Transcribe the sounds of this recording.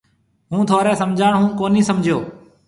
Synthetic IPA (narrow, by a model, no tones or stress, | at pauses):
ɦũːt̪ʰoːɾɛːsəmd͡ʒʱaːɳɦũːkoːnĩːsəmd͡ʒʱjoː